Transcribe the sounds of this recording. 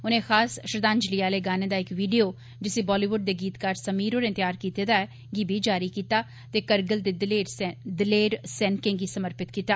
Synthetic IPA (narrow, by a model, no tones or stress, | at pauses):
ʊnẽːxaːsʃəɾd̪ãːnd͡ʒlijaːleːɡaːneːd̪aːɪkʋiːɖijoː | d͡ʒɪsiːbɔːliːʋʊɖ̚d̪eːɡiːt̪kaːɾsəmiːɾoːɾɪ̃nt̪jaːɾkiːt̪eːd̪aːɛː | ɡibʱiːd͡ʒaːɾiːkiːt̪aː | t̪eːkəɾɡəld̪eːd̪leːɾd̪ɪleːɾsɛ̃ːnkẽːŋɡiːsəməɾpɪt̪kiːt̪aː